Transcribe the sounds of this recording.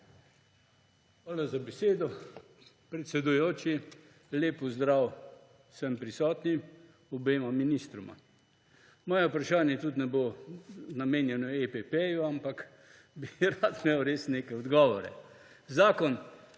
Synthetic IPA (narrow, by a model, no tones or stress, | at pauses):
xʋaːlazabɛseːd̪ɔ | pɾɛt̪sɛd̪ujoːt͡ʃi | leːpɔzd̪ɾaw | səmpɾisɔːt̪ni | ɔbeːmaminist̪ɾɔma̰ | mɔːjɛupɾaʃaːnjɛt̪ut̪nɛbonameːnjɛnɔepepejuampak | biɾat̪mɛwɾeːsneːkɛjɔd̪ɡɔːʋɔɾɛ̰ | zaːkɔn